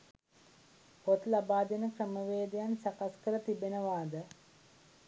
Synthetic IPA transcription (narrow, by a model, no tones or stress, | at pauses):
pot̪labaːd̪enəkrəməʋeːd̪ejansakaskəɾət̪ibenəʋaːd̪ə